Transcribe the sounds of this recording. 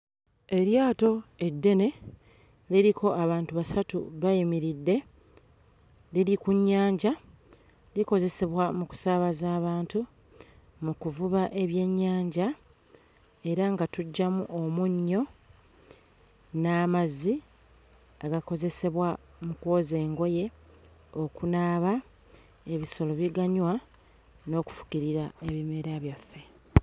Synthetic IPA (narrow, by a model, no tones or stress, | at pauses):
e̞ɾjaːto̞e̞dːe̞ne̞ | liɾikʰo̞ʔaβaːntuβasatṵβajimiɾidːe̞ | liɾikuɲːaːɲɟa | liko̞ze̞se̞βwamuku̥saβazaːβaːntu | mukuvuβaʔe̞βje̞ɲːaːɲɟa | e̞ɾaŋɡatuɟːamuʔomuɲːo̞ | naːmazi | aɡako̞ze̞se̞βwamukwo̞ːze̞ːŋɡo̞je̞ | o̞kunaːβa | e̞βiso̞loβiɡaɲwa | no̞ːku̥fu̥kiɾiɾae̞βime̞ɾaβjafːe̞